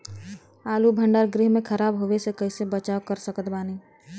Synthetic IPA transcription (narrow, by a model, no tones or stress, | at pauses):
aːlubʱə̃ɳɖaːɾɡɾɪɦmẽkʰəɾaːbɦoʋesekəɪsebət͡ʃaːokəɾsəkət̪baːni